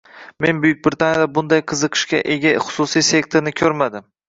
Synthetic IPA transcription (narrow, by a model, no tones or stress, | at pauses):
me̞nbʊjyk̚ʲbɾɪt̪ʰanjad̪abʊnd̪ajqʰɨzɨqʰɨ̥ʃkʲaʔe̞ɡʲaχʊ̥sʊsijse̞kʲt̪ʰoɾnɪkʲʰɵɾmad̪ɪm